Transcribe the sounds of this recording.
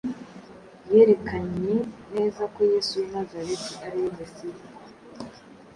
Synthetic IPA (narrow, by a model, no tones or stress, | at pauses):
jeɾe̞kʰaɲene̞ːzako̞jeːsujimazaɾetiʔaɾijivesiko